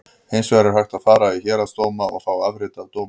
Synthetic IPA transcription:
hejnsvɛɾɪɾ̥hajxt̪aðfaːɾaiçɛːɾast̪oːwmaɔ̰ɣfaːwavɾɪt̪avt̪oːwm

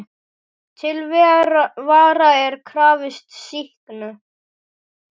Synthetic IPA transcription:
t̪ʰɪlvɛvaːɾaɛɾkʰɾaːvɪst̪sihknʏ

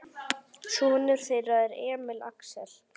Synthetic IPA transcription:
suːnɪɾ̥θeraðɪɾɛːmɪla̰ksɛl

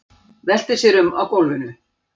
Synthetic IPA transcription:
vɛl̥t̪ɪsjɛɾʏmawkowlvɪnʏ

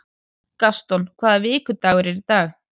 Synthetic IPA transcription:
kast̪ɔnkʰvaːðavɪiːkʏt̪aːwʏɾɛɾit̪aːx

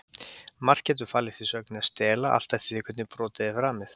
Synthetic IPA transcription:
mar̥cɛːt̪̬ʏɾ̥faːlɪ̥θisœknɪast̪ɛːlaʔa̰l̥t̪ajft̪iðihkʰɛt̪nɪpɾɔːt̪ɪðɪfɾaːmɪθ

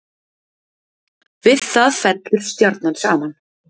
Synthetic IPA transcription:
vɪðθaðfɛt̪lʏɾ̥st̪jɔɾt̪nansaːman

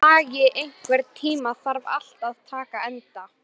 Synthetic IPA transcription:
aːɣɪʔejŋ̥kvɛɾt̪ʰiːmaθaɾva̰l̥t̪aðt̪ʰaːkaɛnt̪a

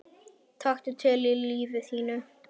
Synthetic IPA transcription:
t̪ʰaxt̪ʏt̪ʰœːliliːvɪθhiːnʏ

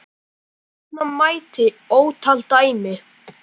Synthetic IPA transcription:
manmaːjt̪ɪ | oːwt̪ʰal̥t̪aːjmɪ

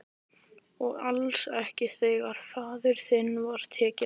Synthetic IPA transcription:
ɔɣalsɛhcɪθeɣaɾ̥faːðʏɾ̥θɪnːvaɾ̥t̪ʰɛːcɪ

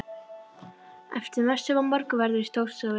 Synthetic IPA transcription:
ɛ̰ft̪ɪɾvɛst̪ʏvampɔɾkvɛɾðʏɾist̪oːwst̪ʏa

